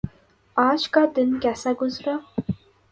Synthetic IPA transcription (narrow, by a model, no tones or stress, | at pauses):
aːd͡ʒkad̪ɪnkɛːsaɡʊzɾaː